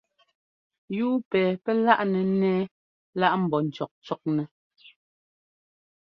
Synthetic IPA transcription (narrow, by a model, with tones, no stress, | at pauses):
juː˦pɛː˨pɛ˦la˦ʔnɛ˨˦nɛː˦ | la˦ʔm̩˨bɔ˨n̩˨t͡ʃɔ˨k̚t͡ʃɔ˦˨k̚nɛ˨